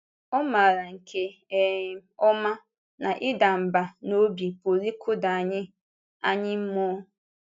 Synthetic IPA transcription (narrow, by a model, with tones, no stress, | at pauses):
ɔ˦ma˨ɾa˨ŋ̩˨kʰe˦˨ | ɔ˦ma˦ | na˨ʔɪ˦da˨m̩˨ba˨no˦bi˨po˨ɾi˦kʰʊ˦da˨a˨ɲɪ˦ | a˦ɲɪ˦m̩˦mʊ˦